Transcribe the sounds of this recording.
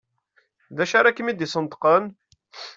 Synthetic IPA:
ðæʃaɾækːəmid̪isˤənt̪ə̥qən

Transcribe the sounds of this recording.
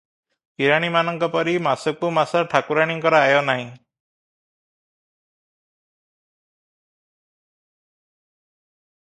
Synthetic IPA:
piɾaɽ̃imanɔŋkɔpɔɾimasɔkumasɔʈʰakuɾaɽ̃iŋkɔɾaːjɔnaɦĩ

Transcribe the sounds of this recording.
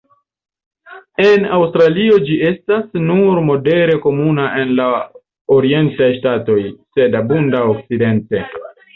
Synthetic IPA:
e̞nawstɾalio̞d͡ʒie̞stasnuɾmo̞de̞ɾe̞ko̞munaʔe̞nla | o̞ɾie̞ntajʃtato̞jse̞dabundaok̚t͡side̞nte

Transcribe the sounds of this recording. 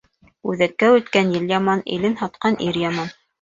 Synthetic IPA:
ʉðækːæʉt̪kænjɘljɑmɑnḭlɘnhɑt̪̚qɑnʔiɾjɑmɑn

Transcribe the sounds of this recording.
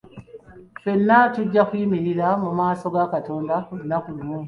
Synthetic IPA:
fenːatuɟːakwiːmiɾiɾamumaːso̞ɡakato̞ːndaolunakulumweː

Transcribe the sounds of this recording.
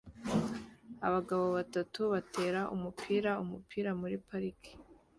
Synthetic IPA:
a̰βaɡaβo̞βatatuβatʰe̞ːɾaʔṵmupʰiːɾaumupʰiːɾamuɾipaɾikʰi̥

